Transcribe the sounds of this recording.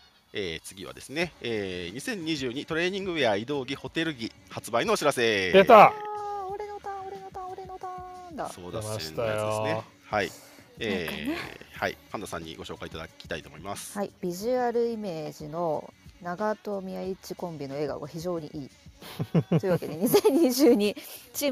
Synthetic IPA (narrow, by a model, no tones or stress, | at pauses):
eːt͡sɨɡʲiβa̰d̪e̞sɨne̞eːɲ̟isẽ̞ɲ̟ːiʑɨːɲ̟it̪o̞ɾe̞ːɲ̟ĩŋɡɯ̟eaid̪o̞ːɡʲiho̞t̪e̞ɾɯ̟ɡʲi | hat͡sɨbaino̞ːɕiɾase̞d̪et̪aoɾe̞no̞t̪ãoɾe̞not̪ãoɾe̞no̞t̪ãnd̪a̰so̰ːd̪ajsne | hai | eː | ha̰ḭkʰãnd̪osã̰ɲ̟ːḭɡo̞ɕo̞ːkait̪ad̪a̰kʲi̥t̪ait̪o̞ːmoimasɨ̥haib̥ʲiʑiaɾɯ̟ime̞ːʑino̞naɡat̪o̞mʲiait͡ɕikõ̞mbʲino̞e̞ːɡa̰ɡaçiʑo̞ːɲ̟iʔiː | ojɯ̟βake̞d̪e̞ɲ̟isẽ̞ɲ̟ːiʑɨːɲ̟it͡ɕiː